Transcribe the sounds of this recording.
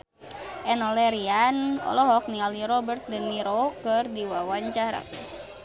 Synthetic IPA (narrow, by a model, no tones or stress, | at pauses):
ʔɛnɔlɛɾianɔ̰lɔɦɔk̚nialiɾɔbərt̪̚dənːiɾokɨrdiwawaɲt͡ʃaɾa̰